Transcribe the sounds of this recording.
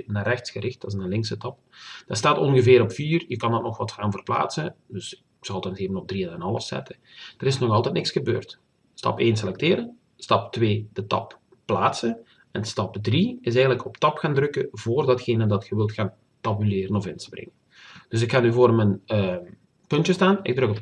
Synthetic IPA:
naːrɛxtsxəɾɪxtdɑsnalɪŋksətɑp | d̥astaːtɔnɣəvɪːɾɔpfiːrjəkɑndɑtnɔxʋɑtxaːnvərpla̰ːtsədɵs | ksɑltɑnseːvənɔb̚driɛnanɑlˠəsɛ̰tə | d̥əɾɪsnɔxɑlˠtɛtnɪksxəbø̰ːrt | stɑ̰peːns̬elɛk̚teːɾən | stɑp̚tʋeːdətɑ̰p | pːlaːtsən | ɛnstɑpdriɪsɛjəntləkɔptɑpxaːndrɵkəvoːrdɑtxeːnədɑtxəʋɪlˠtxaːn | tɑbylɪːɾənɔfɪnsprɪ̰ŋən | d̥ɵs̬ɪkxaːnyːvoːrmənə | pɵntjəstaːnɪ̰ɡ̚drɾɵkɔp

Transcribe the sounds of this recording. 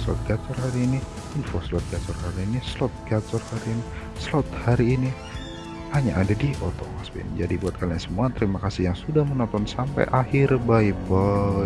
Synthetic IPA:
slɔ̰t̪̚ɡat͡ʃɔrhɦaɾiːni | infoslɔt̪̚ɡat͡ʃɔrhaɾiːnislɔt̪̚ɡat͡ʃɔrhaɾiːni | slɔt̪̚haɾiːni | haɲaʔadadiʔɔt̪ɔ̰masbɪ̰nd͡ʒa̰dibuat̪̚kalaɲasəmuat̪əɾimakasɪhjaŋsudahmənɔnt̪ɔnsampa̰jʔahɪrbaiba

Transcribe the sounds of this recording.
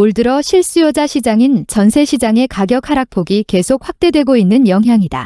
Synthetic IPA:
oɭdɯɾʌɕʰiɭs͈ujʌd͡ʑaɕʰid͡ʑaŋint͡ɕʌnsʰe̞ɕʰid͡ʑaŋe̞kaɡjʌk̚ʰaɾak̚pʰoɡike̞sʰok̚ɸwak̚t͈e̞dwe̞ɡoinːɯnjʌŋɦjaŋida̰

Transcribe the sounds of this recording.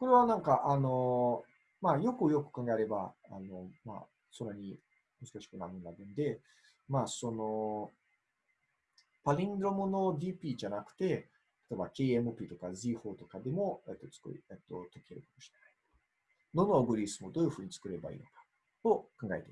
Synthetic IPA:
ko̞ɾe̞β̞anãŋkaʔano̞ | majo̞kɯjo̞kɯ̟̥kãŋɡae̞ɾe̞baa̰no̞ma̰ | sõ̞nːaɲ̟i | mɯ̟zɨ̥kaɕi̥kɯ̟namɯnːaɡ̪ɯ̃nd̪e̞ | maːso̞no̞ | paɾʲĩŋɡɾo̞mɯno̞d̪ʲiːpʲiːʑanakɯ̟̥t̪e̞ | t̪ʰḁt̪o̞ebakʲeːemɯ̟pʲiːt̪o̞kaziho̞ːt̪o̞kad̪e̞mo̞et̪ːo̞t͡sɨ̥ko̰ḭet̪ːo̞t̪okʲieɾɯ̟kamoɕi̥ɾenai̥ | no̞noːɡɯ̟ɾʲisɨmo̞d̪oːjɯ̟ɸɯ̟ːɲ̟it͡sɨ̥kɯ̟ɾe̞ba̰ḭːno̞kḁ | t̪o̞kãŋɡaet̪e

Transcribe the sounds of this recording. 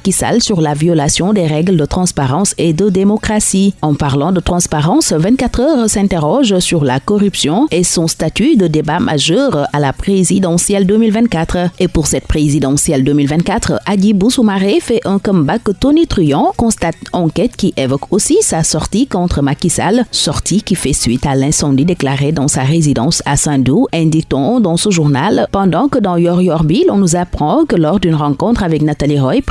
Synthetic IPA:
akisa̰lsyʁlavjɔlasjɔ̃d̪eʁɛɡləd̪ət̪χɑ̃spaʁɑ̃sed̪əd̪emɔkχasiɑ̃paʁlɑ̃d̪ət̪χɑ̃spaʁɑ̃svɛ̃nt̪kat̪χœʁsɛ̃t̪eʁɔʒsyʁla̰kɔʁypsjɔ̃esɔ̃st̪at̪yd̪əd̪ebamʔa̰ʒœʁalapχezid̪ɑ̃sjɛld̪ømilvɛ̃nt̪̚kat̪χəepuʁsɛt̪̚pχezid̪ɑ̃sjɛld̪ømilvɛ̃nt̪̚kat̪χəʔad̪ibusumaʁefɛʔɛ̃kɔ̃mbakət̪onit̪χyjɑ̃kɔ̃st̪at̪ɑ̃kɛt̪kiʔẽvɔkosisasɔʁt̪ikɔ̃t̪χəmakisa̰lsɔʁt̪ʰikifɛsɥit̪alɛ̃sɑ̃d̪id̪eklaʁed̪ɑ̃saʁezid̪ɑ̃sasɛ̃d̪uɛ̃d̪ik̚t̪ɔ̃d̪ɑ̃səʒuʁnalpɑ̃d̪ɑ̃kəd̪ɑ̃jɔʁjɔʁbilɔ̃nuzapχɑ̃kəlɔʁd̪ynʁɑ̃kɔ̃t̪χavɛknat̪aliʁɔjp

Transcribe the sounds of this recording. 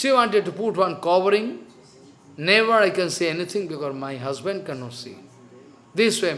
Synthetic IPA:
ʃiʋãɳʈeɖ̚ʈːupuʈʋʌ̃nkɔʋəɾɪ̃ŋ | neʋəɾaɪkɛ̃nsiɛnit̪ʰɪ̃ŋbɪkɔːɾmaɪɦɐzbə̃ɳɖ̚kɛ̃nːɔsḭː | d̪ɪsʋeː

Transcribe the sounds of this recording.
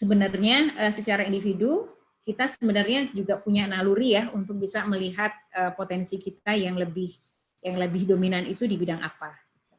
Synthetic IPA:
səbənarɲaəsət͡ʃaɾaindifidu | kit̪asəbənərɲad͡ʒuɡapuɲanaluɾijahunt̪ʊk̚bisaməliɦat̪̚əpot̪ɛnsikit̪̚ajaŋləbɪh | jaŋləbɪhdominanit̪udibidaŋʔa̰pa | itu

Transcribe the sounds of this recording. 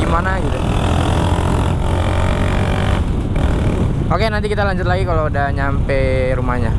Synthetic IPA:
imanaɡit̪u | okenant̪ikit̪alaɲd͡ʒʊt̪̚laɡikalodaɲampe | ɾumahɲa

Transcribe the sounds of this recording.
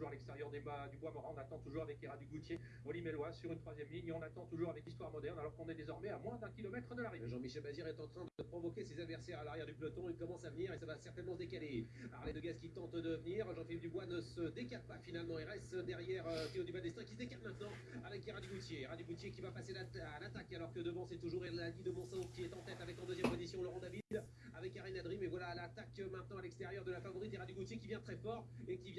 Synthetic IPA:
uʁalɛkst̪eʁjœʁd̪ebad̪ybwamɔʁɛ̃ɔ̃nat̪ɑ̃t̪uʒuʁavɛkeʁad̪yɡut̪je | ɔlimelwasyʁynt̪χwazjɛmliɲɔ̃nat̪ɑ̃t̪uʒuʁavɛkist̪waʁmɔd̪ɛʁnalɔʁkɔ̃nɛd̪ezɔʁmɛamwɛ̃d̪ɛ̃kʲilɔmɛt̪χəd̪əlaʁiʒɑ̃miʃɛlbaziʁɛt̪ɑ̃t̪χɛ̃d̪əd̪əpχɔvɔkʲesezad̪vɛʁsɛʁalaʁjɛʁd̪yplɔt̪ɔ̃ilkɔmɑ̃savəniʁesavasɛʁt̪ɛnmɑ̃səd̪ekale | aʁled̪əɡazkʲit̪ɑ̃t̪d̪əvəniʁʒɑ̃filip̚d̪ybwanəsəd̪ekat̪̚pafinalmɑ̃ilʁɛst̪d̪ɛʁjɛʁøt̪eod̪ybad̪ɛst̪ɛ̃kʲi̥səd̪ekat̪mɛ̃t̪nɑ̃ | avɛkeʁad̪joɡut̪jeʁad̪joɡut̪jekʲivapaselat̪akalɔʁkəd̪əvɑ̃sɛt̪uʒuʁelalid̪əmɑ̃sɔ̃kʲiɛt̪ɑ̃t̪ɛt̪avɛkɑ̃d̪øzjɛmpɔ̃zisjɔ̃lɔʁɑ̃d̪avid̪ | avɛkaʁinad̪ʁimevwalalat̪akmɛ̃t̪̚nɑ̃alɛkst̪eʁjœʁd̪əlafavɔʁit̪eʁad̪joɡut̪jekʲivjɛ̃t̪χɛfɔʁekʲivjɛ̃

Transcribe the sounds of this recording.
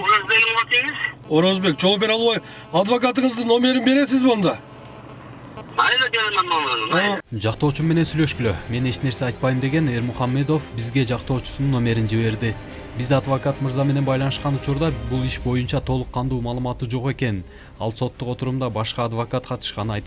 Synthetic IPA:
oɾazd̪elʲmlˠk̪eŋizo̞ɾo̞zbe̞kd͡ʒo̞lˠupbeɾɑlˠβɑj | ɑd̪vokat̪̬ɯɴɯzd̪ɯnːo̞mʲe̞ɾinbe̞ɾe̞sizbɑnd̪ɑ | ɑjd̪ad͡ʒelenɑnɑlˠʁɑnd͡ʒɑqt̪o̞ːt͡ʃumme̞ne̞nsyjlø̞ʃkyløme̞ne̞t͡ʃne̞ɾse̞ɑjt̪̚pɑjmd̪e̞ɡe̞ne̞ɾmuχɑmːe̞d̪o̞fbizɡe̞d͡ʒɑqt̪o̞ːt͡ʃu̥sununːo̞me̞ɾind͡ʒiβe̞ɾd̪ɪ | bizɑd̪vokat̪mɯɾzɑme̞ne̞bɑjlˠɑnɯʃqɑnut͡ʃuɾd̪ɑbulˠiʃbo̞junt͡ʃɑt̪ʰo̞lˠuqːɑnd̪uːmɑːlˠɯmɑt̪ud͡ʒo̞qe̞ke̞n | ɑlˠso̞t̪ːuqo̞t̪uɾumd̪ɑbɑʃqɑːd̪vokat̪qʰɑt̪ɯ̥ʃqɑnɯɑjt̪

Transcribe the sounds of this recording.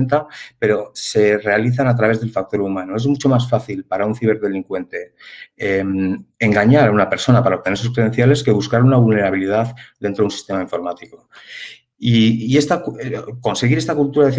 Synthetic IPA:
nt̪ape̞ɾo̞se̞re̞aliθ̬anat̪ɾaβ̞e̞zðe̞lfak̚t̪o̞ɾumãnoe̞zmut͡ʃo̞masfaθilpaɾaunθiβ̞e̞ɾðe̞liŋkwe̞nt̪e̞emeŋɡaɲaɾaunape̞ɾso̞napaɾaoβ̚t̪ee̞ɾs̬uskɾeðe̞nθjale̞ske̞β̞uskaɾunaβulne̞ɾaβ̞ilið̞aðd̪e̞nt̪ɾunsi̥st̪e̞maiɱfo̞ɾmat̪iko̞ | iie̞st̪akko̞nse̞ɣiɾe̞st̪akult̪uɾaðeθi

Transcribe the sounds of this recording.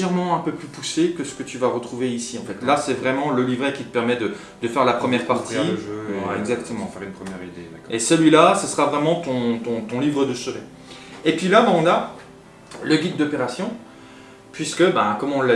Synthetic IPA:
ɛʁmɑ̃ɛ̃pøplypusekəsə̥kət̪yvaʁət̪χuveisiɑ̃fɛt̪lasɛvʁɛmɑ̃ləlivʁɛkʲit̪ə̥pɛʁmɛd̪ə | d̪̥əfɛʁlapχəmjɛʁpaʁt̪ʰiʒɛɡzak̚t̪əmɑ̃ynpχəmjɛʁid̪eesəlɥilasəsəʁavʁɛmɑ̃t̪ɔ̃t̪ɔ̃t̪ɔ̃livʁəd̪əʃəʁɛ | epɥilabɛ̃ɔ̃na | ləɡʲid̪ːɔpeʁasjɔ̃ | pɥiskəbɛ̃kɔmɔ̃l

